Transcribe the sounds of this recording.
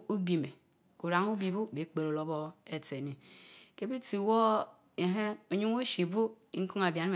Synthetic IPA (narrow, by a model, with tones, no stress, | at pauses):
u˦bi˨me˨ | ku˨ɾa˨ŋu˦bi˨bu˦be˨˦k͡pe˨ɾo˨lo˦bo˦e˨te˨ni˨ke˦be˦ti˨wo˦ | e˨ɦe˦o˨ɲu˦ŋo˦ʃi˨bu˦i˦ku˦a˨bja˨n˦m˨